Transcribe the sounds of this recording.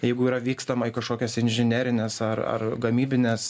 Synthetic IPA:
jɛɪɡʊiːɾɐʋʲiːkst̪ɐmɐɪkɐʃkoːkʲɛsɪnʲʒʲɪnʲæːɾʲɪnʲeːsɐrɐ̰rɡɐmʲiːbʲɪnʲeːs

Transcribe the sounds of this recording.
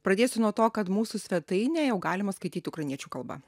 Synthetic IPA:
pɾɐd̪ʲeːsʲʊnuɔt̪oːkɐt̪muːsʊsʲʋʲɛt̪ɐɪnʲɛːjɛʊɡɑːlʲɪmɐskɐɪt̪ʲiːt̪ʲɪʊkɾɐɪnʲiɛt͡ʃʲuːkɐlˠbɐ̰

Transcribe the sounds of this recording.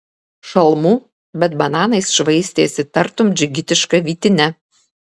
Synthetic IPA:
ʃɐlˠmuː | bʲɛt̪bɐnɑːnɐɪsʃʋɐɪsʲt̪ʲeːsʲɪt̪ɐɾt̪ʊmd͡ʒʲɪɡʲɪt̪ʲɪʃkɐʋʲiːt̪ʲɪnʲɛ

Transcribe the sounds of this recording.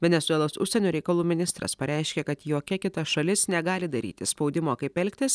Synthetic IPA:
ʋʲɛnʲɛt̪sʊɛlˠoːsʊ̰ʃʲsʲɛnʲoːɾʲɛɪkɐlˠuːmʲɪnʲɪst̪ɾɐ̰spɐɾʲɛɪʃʲkʲekɐt̪joːkʲɛkʲɪt̪ɐʃɐlʲɪsnʲɛɡɑːlʲɪd̪ɐɾʲḭːt̪ʲɪspɒʊd̪ʲɪmoːkɐɪpɛlʲkʲt̪ʲɪs

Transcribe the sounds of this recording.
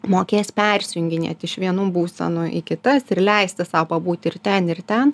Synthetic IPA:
moːkʲeːsʲpʲɛrʲsʲjʊŋʲɡʲɪnʲɛ̰t̪ʲɪʃʋʲiɛnuːbuːsʲɛ̰nʊʔɪkʲɪt̪ɐsɪrlʲɛɪsʲt̪ʲɪsɐʊpɐbuːt̪ʲɪrt̪ʲɛnɪrt̪ʲɛn

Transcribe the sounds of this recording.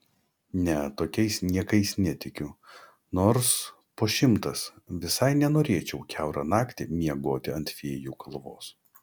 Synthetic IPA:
nʲɛt̪oːkʲɛɪsnʲiɛkɐɪsnʲɛt̪ʲɪkʲʊ | noːɾs | poːʃʲɪmt̪ɐsʋʲɪsɐɪnʲɛnoːɾʲeːt͡ʃʲɛʊkʲæʊɾɐnɑːkt̪ʲɪmʲiɛɡoːt̪ʲɪɐ̃nʲt̪ʲfʲeːjuːkɐlˠʋoːs

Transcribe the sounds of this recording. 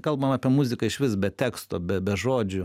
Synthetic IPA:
kɐlˠbɐmɑːpʲiɛmʊzʲɪkɐɪʃʋʲɪsbʲɛt̪ʲæːkst̪oːbʲɛbʲɛʒoːd͡ʒʲʊ

